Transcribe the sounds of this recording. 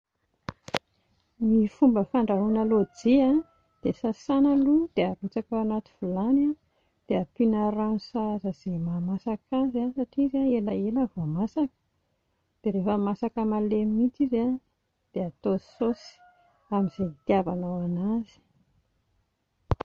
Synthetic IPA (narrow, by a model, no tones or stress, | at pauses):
mifumbəfaɳɖ͡ʐaɦunalod͡zia | d̪̥esasanəlud̪̥eaɾut͡sakawanat̪i̥v̥ulana | d̪̥eapinəɾanusazəz̥emamasakazasaʈ͡ʂiizaelaelavomasakə̥ | d̪̥eɾefəmasakamalemimit͡siza | d̪̥eat̪ososi̥ | amizet̪jabanawanazi̥